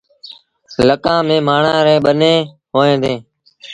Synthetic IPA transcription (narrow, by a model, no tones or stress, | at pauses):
ləkãːmẽːmaːɳãːɾẽːɓəneː | ɦoːẽːd̪ẽː